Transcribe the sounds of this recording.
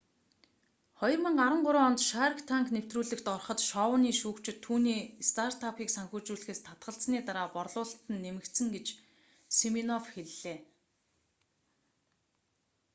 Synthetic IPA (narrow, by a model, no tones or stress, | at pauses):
χɔjɞ̆rmə̆ŋɢaɾə̆ɴɢʊɾʊːɔnt̪ʃaːɾ̆kt̪ʰaŋknew̥t̪ruːɮɘ̆kt̪ɔrχə̆t̪ʃɔːwəniːʃuːkt͡ɕɪ̆t̪ʰːuːniːst̪ʰart̪ʰapʰiːksaŋxuːt͡ɕuːɮxeːst̪ʰat̪ɢə̆ɬt͡sniːt̪aɾaːpɔrɮʊːɬt̪ɘ̆nːemɘ̆kt̪sɘ̆ŋɡet͡ɕ | seminɔfxeɮːeː